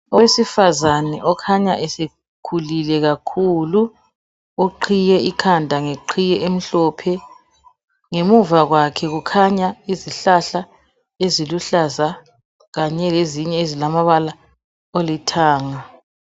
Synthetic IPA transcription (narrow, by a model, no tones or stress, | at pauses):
ɔwesifazanɛʔɔkʰaɲaʔɛse | kʰulilɛɣakʰulu | oǃʰijɛikʰandʱaŋeǃʰijɛʔem̩ɬɔːpʰɛ | ŋemuvaɣwakʰɛɣukʰaɲaiziɬaɬa | eziluɬaza | ɣaɲɛleziɲɛezilamaβala | olitʰaːŋa